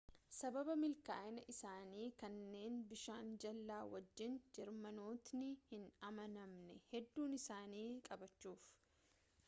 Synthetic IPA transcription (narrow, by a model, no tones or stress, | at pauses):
sɐbɐbɐmɪlka̰ːʔɪnɐʔɪsaːniːkɐnːe̞ːnbɪʃaːnd͡ʒɐlːaːwɐd͡ʒːɪnd͡ʒɛɾmɐnoːt̪nɪhɪnɐmɐnɐmnɛhɛd̪ːuːnɪsaːniːkʼɐbɐt͡ʃːuːf